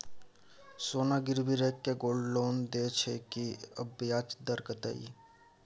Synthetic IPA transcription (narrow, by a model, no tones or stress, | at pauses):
soːnaɡɪɾbiɾeːkːeɡoːlɖloːnd̪et͡ʃʰekiəbjaːt͡ʃd̪əɾkət̪ə̰ḭ